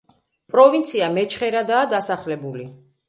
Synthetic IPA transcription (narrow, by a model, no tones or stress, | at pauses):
pʼɾɔvint̪sʰiamɛt͡ʃʰχɛɾad̪aːd̪asaχlɛbuli